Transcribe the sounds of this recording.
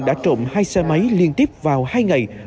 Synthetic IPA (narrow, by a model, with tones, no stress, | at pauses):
ɗa̰ː˧˥t͡ɕo̰˧˨ŋ͡mhaː˧jsɛ˧ma˨˦jli˧ənt̪i˦˥p̚vaː˨˩whaː˧jŋa˨˩j